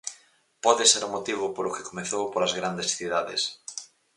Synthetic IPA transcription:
pɔðeseɾʊmot̪iβ̞ʊpolʊke̥komeθowpolazɣɾand̪esθiðaðḛs

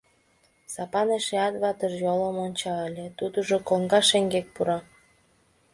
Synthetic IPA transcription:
sɑpɑneʃeɑt̪βɑt̪ərjolomonʲt͡ɕɑəlʲet̪ud̪əʒokoŋɡɑʃeŋɡek̚puɾɑ

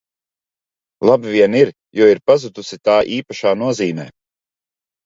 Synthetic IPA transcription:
lˠabvʲiɛniɾ | juɔiɾpazud̪usit̪aːʔiːpaʃaːnuɔziːmɛ̰ː

